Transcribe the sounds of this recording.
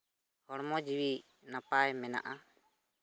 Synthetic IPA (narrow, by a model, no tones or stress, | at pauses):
hɔɽmɔd͡ʒiwi | napajmɛna̰ʔa